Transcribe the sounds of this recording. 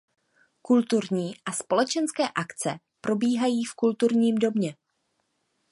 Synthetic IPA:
kult̪uɾɲiːʔaspo̞lɛt͡ʃɛnskɛːʔakt͡sɛ̰ | pɾo̞biːɦajiːfkult̪uɾɲiːmdo̞bɲɛ

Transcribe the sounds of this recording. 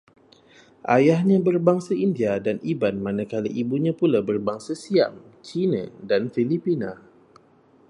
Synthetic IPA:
ʔajahɲãbərbaŋsaindiadanibanmanakaliʔibuɲãpulabərbaŋsasia̰m | t͡ʃina̰danfilipina

